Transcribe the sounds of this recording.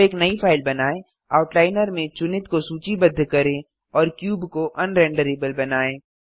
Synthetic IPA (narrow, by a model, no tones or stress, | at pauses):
eːknɐipʰaːɪlbɐnaːẽ | aːʊʈlaːɪnəɾmẽt͡ʃʊnɪt̪kosuːt͡ʃibɐd̪ʱːkɐɾẽ | ɔːɾkjuːbkoʔɐ̃nɾɛ̃ːɳɖəɾeːbəlbɐnaːẽː